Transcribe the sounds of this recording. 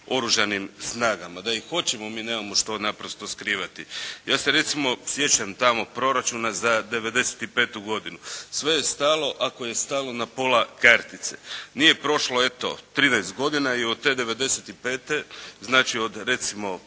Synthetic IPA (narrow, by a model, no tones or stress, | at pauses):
o̞ɾuʒanimsnaːɡamad̪aixxo̞t͡ɕemo̞miːneːmamo̞ʃt̪o̞napɾost̪o̞skɾiːʋat̪ijaːse̞ɾe̞t̪simo̞sje̞t͡ɕamt̪amo̞pɾo̞ɾat͡ʃunazad̪e̞ʋe̞d̪e̞se̥t̪ipe̞ːt̪uɡo̞d̪inusʋe̞je̞st̪aːlo̞ʔako̞je̞st̪aːlo̞napo̞lakaɾt̪it̪senije̞pɾo̞ʃloe̞t̪o̰t̪ɾiːnajst̪̚ɡo̞d̪inaiod̪̚t̪e̞ːd̪e̞ʋe̞d̪e̞set̪ipe̞ːt̪eznaːt͡ʃio̞d̪ɾe̞t̪simo̞